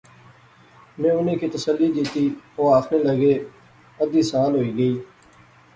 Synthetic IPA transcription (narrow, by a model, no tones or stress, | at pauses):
mẽːʊnẽːkʰiːt̪əsəlːiːd͡ʒiːt̪iːoːaːknẽːləɡeː | əd̪iːsəʋaːlɦoːiːɡəiː